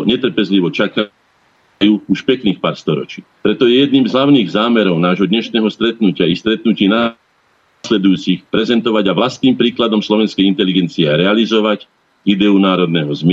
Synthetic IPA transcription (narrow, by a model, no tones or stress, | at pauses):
ɲɛt̪r̩pɛzliʋɔt͡ʃaka | juːuʃpɛkniːxpaːɾst̪ɔɾɔ̰t͡ʃiːpɾɛt̪ɔjɛjɛd̪niːmzɦlaʊniːɣzaːmɛɾɔʊnaːʒɦɔd̪ɲɛʃnɛːɦɔst̪ɾɛt̪nucɪaist̪ɾɛt̪̚nuciːnaː | slɛd̪ujuːt͡sixpɾɛzɛnt̪ɔʋaɟaʋlast̪niːmpɾiːklad̪ɔmslɔʋɛnskɛjint̪ɛliɡɛnt͡siɛɾɛalizɔʋac | id̪ɛunaːɾɔd̪nɛɦɔzm